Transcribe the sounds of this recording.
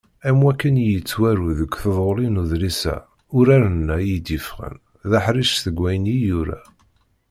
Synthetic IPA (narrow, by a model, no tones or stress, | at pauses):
æmwækːənjət͡sːwæɾuðəkʷːθəðˤolinuðlisæ̰ | ʊɾaɾənːæjid̪ifʁə̰n | ðaħɾiʃθəɡʷːæjnijuɾæ̰